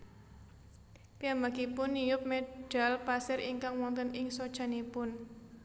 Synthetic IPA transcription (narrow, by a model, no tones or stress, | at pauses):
piambaɡipʊnːijʊp̚meɖ̥a̤lpasɪriŋkaŋwɔŋt̪ənɪŋsod̥ʒ̥a̤nepʊn